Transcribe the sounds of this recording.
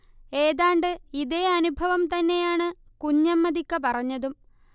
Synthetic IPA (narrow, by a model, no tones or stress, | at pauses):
e̞ːðaːɳɖɨiðeɐnubʱɐʋɐmt̪ɐnːe̞jaːɳɨkuɲːɐmːɐd̪ikːɐpɐrɐɲːɐðum